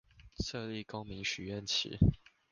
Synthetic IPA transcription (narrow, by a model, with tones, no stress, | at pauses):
ʂɤ˥˧li˥˨ko˦ʊmi˨˦ŋɕy˨˦ɥɛ˥˨nt͡ɕʰḭ˨˦